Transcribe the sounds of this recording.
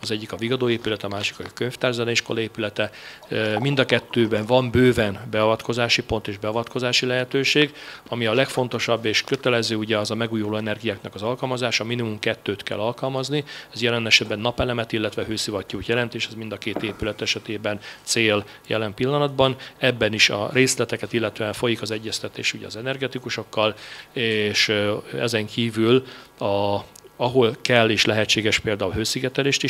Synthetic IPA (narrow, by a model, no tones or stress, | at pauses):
ɒzɛɟːikɒviɡɒd̪oːeːpylɛt̪ɒmaːʃi̥kɒkøɲft̪aːrzɛlɛiʃko̞lɒeːpylɛt̪ɛ | mind̪ɒkɛt̪ːøːbɛɱvɒmbøːvɛnbɛɒvɒt̪ko̞zaːʃipo̞nt̪eːʒbɛɒvɒt̪ko̞zaːʃilɛɦɛt̪øːʃeːɡɒmiɒlɛkfo̞n̪t̪o̞ʃɒbːeːʃkøt̪ɛlɛzøːuɟɛɒzɒmɛɡuːjuloːɛnɛrɡijaːknɒkɒzɒlkɒlmɒzaːʃɒminimumkɛt̪ːøːt̪kɛ̰lːɒlkɒlmɒzniɛzjɛlɛnɛʃɛd̪bɛnːɒpɛlɛmɛt̪ilːɛt̪ʋɛɦøːsivɒt̪ːuːt̪jɛlɛnt̪eːʃɛzmind̪ɒkeːt̪eːpylɛt̪ɛʃɛt̪eːbɛnt̪seːl | jɛ̰lɛmpilːɒnɒd̪bɒnɛbːɛniʃɒ̰reːslɛt̪ɛkɛt̪ilːɛt̪øːɛɱfo̞jikɒzɛɟːɛst̪ɛt̪ḛːʃuɟɛ̰ɒzɛnɛrɡɛt̪ikuʃo̞kːɒleʃɛ̰zɛŋkiːvylɒ | ɒɦo̞lkɛlːeːʃlɛɦɛct͡ʃːeːɡɛʃpeːld̪aːulɦøːsiɡɛt̪ɛleːʃt̪i